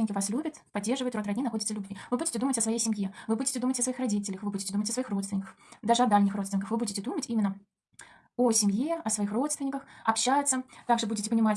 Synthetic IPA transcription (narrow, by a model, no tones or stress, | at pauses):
ɪnʲɪkʲɪvaslʲubʲɪt̪pɐdʲːe̞rʐɨvəɪt̪ɾot̪ɾrɐdʲnʲinɐxo̞dʲɪt̪səlʲʊbvʲivɨbudʲɪtʲɪd̪umətʲəsvɐjejsʲɪmʲjevɨbudʲɪtʲɪd̪umətʲəsvɐixrɐdʲitʲɪlʲəxvɨbudʲɪtʲɪd̪umətʲəsvɐixro̞t̪st̪vʲɪnʲɪkə̥x | d̪aʐɨɐd̪alʲnʲɪxrot̪st̪ʲɪnʲɪkəxvɨbudʲɪtʲɪd̪umətʲimʲɪnːə | osʲɪmʲjeɐsvɐixro̞t̪st̪vʲɪnʲɪkəxɐpɕːæjɪt̪sət̪aɡʐɨbudʲɪtʲɪpənʲɪmatʲ